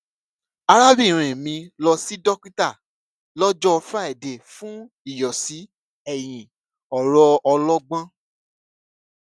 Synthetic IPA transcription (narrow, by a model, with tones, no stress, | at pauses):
a˧ɾa˦bi˦˨ɾ̃ɛ̃˨mĩ˧lɔ˧si˦dɔ˦ki˦ta˦˨ | lɔ˦d͡ʒɔ˦˧fa˦ɛ˨de˨fũ˦ | i˦˨jɔ˨si˨˦ | ɛ˦˨j̃ĩ˨ | ɔ˨ɾɔ˧ɔ˧lɔ˦ɡ͡bã˦